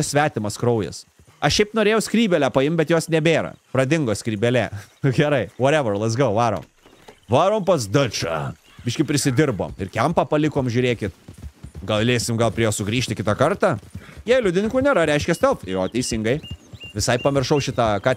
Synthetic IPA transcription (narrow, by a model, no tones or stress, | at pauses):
ɪsʲʋʲæːt̪ʲɪmɐskɾɐʊjɛ̰s | ɐʃʃʲɛɪpnoːɾʲeːjɛʊsʲkɾʲiːbʲɛlʲæːpɐɪmbʲɛt̪joːsnʲɛbʲeːɾɐ̰pɾɐd̪ʲɪŋɡoːsʲkɾʲiːbʲɛlʲæɡʲɛɾɐɪʋoːɾʲɛʋɐlˠɐzɡɐʊʋɑːɾo̰ːm | ʋɑːɾoːmpɐsd̪ɐt͡ʃɑ̰ | bʲɪːʃʲkʲɪpʲɾʲɪsʲɪd̪ʲɪrbo̰ːmɪɾkʲɛmpɑpɐlʲɪkoːmʒʲʊːɾʲeːkʲɪt̪ɡɐlˠlʲeːsʲɪmɡɐlˠpʲɾʲiɛjoːsʊɡɾʲiːʃʲt̪ʲɪkʲɪt̪ɑkɐɾt̪ɑːjɛːjlʲʊd̪ʲɪnʲɪŋkuːnʲeːɾɐɾʲɛɪʃʲkʲɛst̪ɛlˠfoːt̪ʲɛɪsʲɪŋɡɐɪʋʲɪsɐɪppɐmʲɪrʃɐʊʃʲɪt̪ɑkɑː